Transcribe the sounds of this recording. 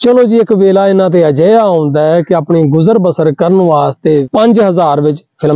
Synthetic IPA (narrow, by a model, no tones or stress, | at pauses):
t͡ʃəlõːd͡ʒiːɪkʋeːlaːɪnãːt̪̬ẽːəd͡ʒəːjaːɦõːnd̪aːɛːkɪaːpɳiːɡʊzəɾbəsəɾkəɾənʋaːst̪eːpəɲd͡ʒɦəzaːɾʋɪt͡ʃpʰɪlm